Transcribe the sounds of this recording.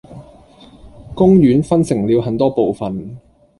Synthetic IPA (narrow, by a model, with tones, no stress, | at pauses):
kʊ˥ŋjyː˨˥nfɐ˥nsɪ˨˩ŋliː˨˧wɦɐ˨˩nt̪ɔː˥po˨wfɐ˨n